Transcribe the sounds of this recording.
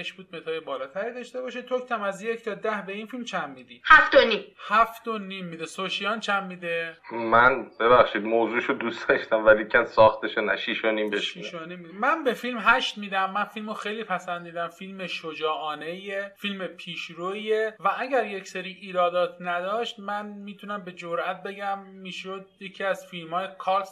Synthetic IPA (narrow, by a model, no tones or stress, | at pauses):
eʃbuːd̪̚met̪ʰɒːjebɒːlɒːt̪ʰæɾiːd̪ɒːʃt̪e̞bɒːʃet̪ʰokt̪ʰæmæzje̞cʰt̪ʰɒːd̪æhbe̞infilmt͡ʃʰæmːiːd̪iːhæft̪onimhæft̪onimːiːd̪esoʃijɒːnt͡ʃʰæmːiːd̪emænbeβæxʃiːd̪̚moːzuːʃod̪usd̪̥ɒʃt̪æmvælicʰænsɒːxt̪eʃonæ̰ʃiʃonimbeʃʃiiʃonimːid̪mænbe̞filmɦæʃt̪miːd̪æmːænfilmoxejliːpʰæsænd̪iːd̪æmfilmeʃod͡ʒɒːʔɒːne̞jefilmepʰiːʃɾoievææɟæɾjecseɾiːʔiːɾɒːd̪ɒːt̪ʰnæd̪ɒːʃt̪mænmiːt̪ʰunæmbe̞d͡ʒoɾʔæt̪̚be̞ɡæmːiːʃod̪̚jecʰiːæzfilmhɒːjekʰɒs